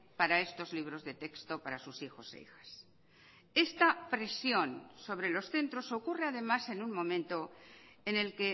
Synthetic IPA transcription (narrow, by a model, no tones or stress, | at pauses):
paɾae̞st̪o̞zliβ̞ɾo̞zðe̞t̪e̞kst̪o̞paɾasusixo̞sḛḭxḁs | e̞st̪apɾe̞sjõ̞nso̞βɾe̞lo̞sθe̞nt̪ɾoso̞kure̞að̞e̞mase̞nuŋmõ̞mẽ̞nt̪o̞ | ene̞lke̞